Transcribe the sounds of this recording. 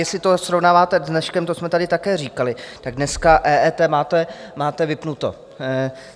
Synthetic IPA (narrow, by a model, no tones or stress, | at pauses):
jɛslɪt̪o̞sɾovnaːvaːt̪ɛznɛʃkɛmt̪osmɛt̪adɪt̪akɛːriːkalɪt̪aɡ̚dnɛskaʔɛːʔɛːt̪ɛːmaːt̪ɛ | maːt̪ɛvɪpnut̪o̞̰